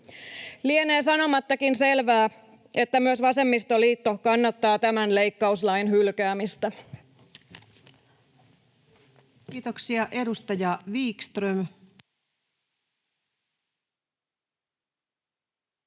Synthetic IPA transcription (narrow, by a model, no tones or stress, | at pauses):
lieneːsɑno̞mɑt̪ːɑkinse̞lʋæː | ʔe̞t̪ːæmyøsʋɑse̞mːist̪oliːt̪ːo̞kɑnːɑt̪ːɑːt̪æmænle̞jkːɑuslɑjnɦylkæːmist̪æ | kiːt̪oksiɑʔe̞dust̪ɑjɑʋiːkst̪røm